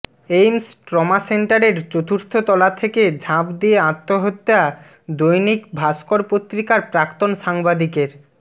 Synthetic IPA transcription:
ejmsʈɾɔmaseɳʈaɾeɾt͡ɕot̪ʰuɾt̪ʰot̪ɔlat̪ʰeked͡ʑʱãpd̪ieãt̪ːoɦot̪ːea | d̪ojnikbʱaskoɾpot̪ːɾikaɾpɾakt̪onʃaŋbad̪ikeɾ

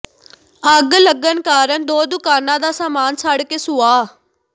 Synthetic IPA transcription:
əɡləɡənkaːɾəɳd̪oːd̪ʊkaːnãːd̪aːsaːmaːnsaːɽkeːsʊaː

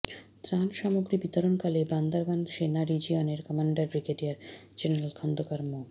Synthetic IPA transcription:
t̪ɾanʃamoɡɾibit̪oɾonkaleband̪aɾbanʃenaɾid͡ʑioneɾkɔmaɳɖaɾbɾikeʈijaɾd͡ʑeneɾalkʰɔnd̪okaɾmo

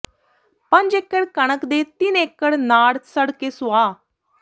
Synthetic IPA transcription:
pəɲd͡ʒekːəɽkəɳəkd̪eːt̪ɪnekːəɽnaːɽsəɽkeːsʊaː

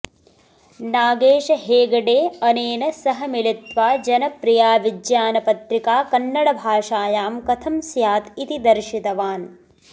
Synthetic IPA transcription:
naːɡeːʂɐɦeːɡɐɖeːɐneːnɐsɐɦɐmilit̪ʋaːd͡ʒɐnɐpɾijaːʋid̪jaːnɐpɐt̪ɾikaːkɐnːɐɽɐbʱaːʂaːjaːmkɐt̪ʰɐmsjaːt̪it̪id̪ɐɾʃit̪ɐʋaːn

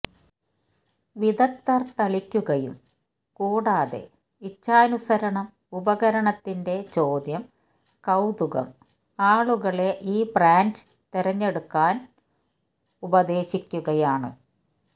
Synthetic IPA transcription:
ʋiðɐt̪ːɐrt̪ɐɭikʲːuɣɐjṵm | kuːɽaːðe̞̰ | it͡ɕːaːnusɐɾɐɳɐm | ubɐɣɐɾɐɳɐt̪ːinde̞t͡ɕo̞ːd̪jɐm | kɐwd̪uɣɐ̰m | aːɭuɣɐɭe̞ʔiːbraːnd | t̪iɾɐɲːe̞ɽukːaːn | ubɐd̪e̞ːɕikʲːuɣɐjaːɳɨ

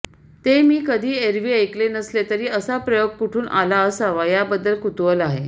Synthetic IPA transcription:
t̪emiːkəd̪ʱiːeɾʋiːəjklenəslet̪əɾiːəsapɾəjoɡ̚puʈʰuːnʔalaəsaʋajabəd̪ːəlkut̪ʋəlaɦe

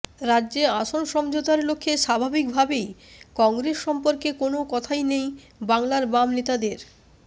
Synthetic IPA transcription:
ɾadːʑeaʃonʃɔmd͡ʑot̪aɾlokʰːeʃabʱabik̚bʱabejkɔŋɡɾesʃɔmpoɾkekonokɔt̪ʰajnej | baŋlaɾbamnet̪ad̪eɾ

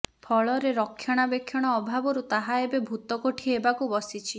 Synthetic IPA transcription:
pʰɔɭɔɾeɾɔkʰːjɔɽ̃abekʰːjɔɽ̃ɔːbʱabɔɾut̪aɦaebebʱut̪ɔkoʈʰiebakubɔsit͡ʃʰi

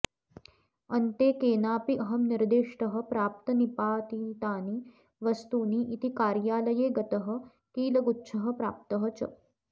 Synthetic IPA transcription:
ɐnt̪eːkeːnaːpiʔɐɦɐmniɾd̪eːʂʈɐɦə̆pɾaːp̚t̪ɐnipaːt̪int̪aːni | ʋɐst̪uːniːʔit̪ikaːɾjaːlɐjeːɡɐt̪ɐɦə̆ | kiːlɐɡutːt͡ʃʰɐɦɐpɾa̰ːp̚t̪ɐɦɐt͡ʃɐ̰

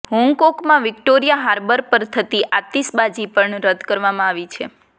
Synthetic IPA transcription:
ɦɔŋɡkɔkmãʋɪkʈoɾijaɦaɾbəɾpəɾt̪ʰət̪iʔat̪isbad͡ʒipəɳɾəd̪ʱkəɾʋamãaʋit͡ʃʰe

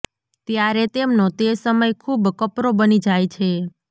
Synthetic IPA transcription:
t̪jaɾet̪emnõt̪esəməjkʰubkəpɾobənid͡ʒajt͡ʃʰe

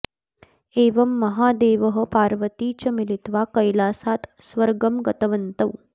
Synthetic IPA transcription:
eːʋɐmːɐɦaːd̪eːʋəɦə̆paːɾʋət̪iːt͡ɕɐmilit̪ʋakɐjlasaːt̪sʋəɾɡəmɡɐt̪ɐʋənt̪əw

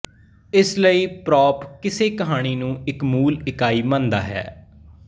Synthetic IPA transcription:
ɪsləiːpɾɔːpkɪseːkəɦaːɽ̃iːnũːɪkmuːlɪkaːiːmãːnd̪a̰ːɦɛ̰ː

